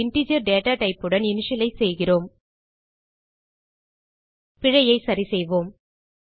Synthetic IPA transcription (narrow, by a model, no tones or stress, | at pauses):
ɪɳʈid͡ʒɪjɐɾɖeːʈaːʈɐɪpːɯɽɐnɪnɪʂɪlɐɪsɛjɣɪroːm | pɪɻɐjɐɪsɐɾisɛjʋoːm